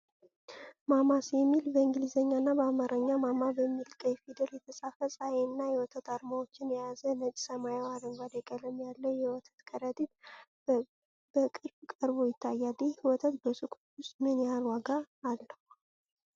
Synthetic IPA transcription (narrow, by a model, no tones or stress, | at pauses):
mamasjɛmːilbəɨŋɡlizəɲːanːabəamaɾʔəɲːamamabəmːilkʼəjɛfid̪əljɛt̪ʰəsʼafəsʼajnːajɛwɔt̪ʰət̪ʰaɾmawot͡ʃːɪnjɛjazənət͡ʃʼsəmajawad̪əŋɡwad̪ɛkʼələmjalːəjɛwɔt̪ʰə̥t̪kʰʼəɾəd̪it̪̚ | bəkʼɨɾbkʼəɾβojɪt̪ʰːajːalːihhiwɔt̪ʰət̪̚bəsɨkʼu̥t̪wʊst̪ʼmənijalwaɡaːlːəw